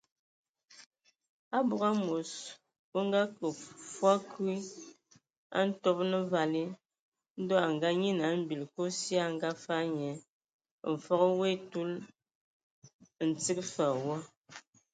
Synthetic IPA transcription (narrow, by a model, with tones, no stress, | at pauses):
a˦bu˨ɣa˦mo˨s | wo˦ŋ˦ɡa˦kə˨fwa˦kʰu˦i˦ | a̰˦n̩˦tɔ˦p̚nə˦va˨li˦ | n̩˦dɔ˦a˨ŋ̩˨ɡa˦ɲi˦na˨˦m̩˦bi˨lko˦sja˦ŋ̩˦ɡa˦fa˦ɲɛ˨˦˨ | ɱ̩˨fɔ˦kwe˦tu˦l | n̩˨t͡si˦k̚fa˨wɔ˦